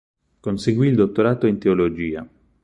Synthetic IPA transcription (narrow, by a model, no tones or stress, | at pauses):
konseɡwiːld̪ot̪ːoɾaːt̪oint̪eolod͡ʒiːa̰